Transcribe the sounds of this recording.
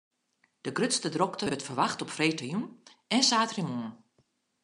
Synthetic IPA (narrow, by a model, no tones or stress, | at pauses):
d̥əɡrøtstədrɔktəbətfərʋaxtɔpfrejtəjun | ɛnsaːtrimuən